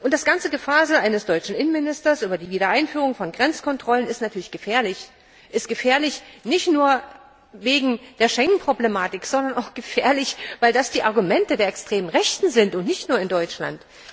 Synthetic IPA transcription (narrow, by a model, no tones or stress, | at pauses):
ʔʊntd̥asɡ̥ant͡səɡəfaːɐzəʔaɪnəsd̥ɔʏt͡ʃn̩ʔɪnənmɪnɪstɐsʔyːbɐdiːviːɾɐʔaɪnfyːʁʊŋfɔnɡʁɛnt͡skʰɔntʁ̥ɔlənɪstnatʰyɐlɪçɡ̥əfɛːɐlɪç | ʔɪst̚ɡ̥əfɛːɐlɪçnɪçtnuːɐ | veːɡŋ̩d̥eːɐʃɛŋən̩pʁ̥oblemaːtɪkz̥ɔndɐnaʊxɡ̥əfeːɐlɪçvaɪldasd̥iːʔaɐɡumɛntədeːɐɛkstʁ̥eːmənʁɛçtn̩zɪntʊntnɪçtnuːɐɪndɔʏt͡ʃla̰nt